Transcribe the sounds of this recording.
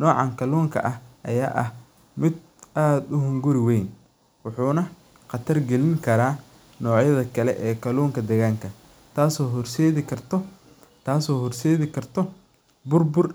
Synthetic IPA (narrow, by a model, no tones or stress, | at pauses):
nɔːʕɑŋkʰɐlɔːŋkʰɐ̰ʔɐhʔɐ̰ja̰ːʔɐ̰h | mɪd̪ | aːd̪ʊɦʊŋɡʊɾɪwɛjn | wʊħuːnɐ | qɑt̪ʰɐrɡɛlɪŋkʰɐɾaː | nɔːʕjɐðɐkʰɐlɛʔɛːkʰɐluːŋkʰɐd̪ɛɣaːŋkʰɐ | t̪ʰaːsɔːɦɔrsɛːðɪkʰɐrt̪ʰɔ | t̪ʰaːsɔːhɔrsɛːðɪkʰɐrt̪ʰɔ | bʊrbʊr